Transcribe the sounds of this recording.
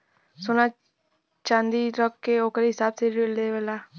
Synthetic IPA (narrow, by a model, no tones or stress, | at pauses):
sʊna | t͡ʃãːnd̪iɾɔkːeoːkəɾɦɪsaːbseɾeleʋəla